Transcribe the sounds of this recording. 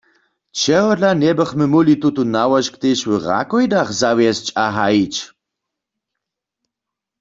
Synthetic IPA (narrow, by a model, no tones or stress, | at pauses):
t͡ʃʰɛɣɔdlanɛbəχməmulit̪ut̪unawɔʃkt̪eʃwəʁa̰kɔjd̪aχzawjɛst͡ʃʼaɦait͡ʃ